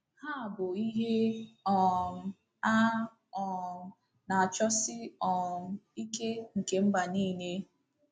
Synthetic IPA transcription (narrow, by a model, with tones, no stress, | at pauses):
ha˦˨bʊ˨i˦ɦe˦ɔ˨m̩˨ | a˦ | ɔ˨ | na˨a˨t͡ʃɔ˦sɪ˦ɔ˨m̩˨i˦ke˦ŋ̩˨ke˨m̩˦ba˨niː˦˨ne˦